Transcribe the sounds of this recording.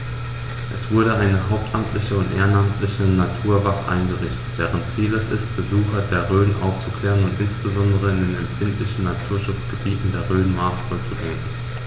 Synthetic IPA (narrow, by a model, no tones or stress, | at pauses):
ʔɛsv̥ʊɐɾəʔaɪnəɦaʊp̚tʰʔamtʰlɪçəʊntʔḛːɐnamtʰlɪçənatʰuːɐvaχəʔa̰ɪnɡəʁɪçtətd̥ɛːʁ̞əntt͡siːlɛsɪstb̥əzuːxɐdeːɐʁøːnʔa̰ʊft͡su̥kl̥ɛːʁənʊntʔɪnsb̥əzɔndəʁəɪndeːnɛmfɪntlɪçn̩natʰuːɐʃʊt͡sɡ̥əbiːtn̩deːɐʁøːnmaɐsfɔt͡suveːnən